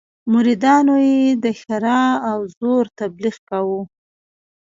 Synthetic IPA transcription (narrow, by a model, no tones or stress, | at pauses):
mʊɾid̪ɑnojed̪əxaɾɑawzoɾt̪abliɣkawu